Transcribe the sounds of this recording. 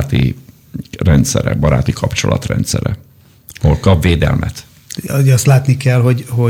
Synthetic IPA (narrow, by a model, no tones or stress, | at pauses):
t̪i | rɛnt̪sɛɾɛbɒɾaːt̪ikʰɒpt͡ʃo̞lʔɒt̪rɛnt̪sɛɾɛ | ɒɦolkɒbveːd̪ɛlmʔɛt̪ | oɒst̪laːt̪nikɛlɦo̞ɟho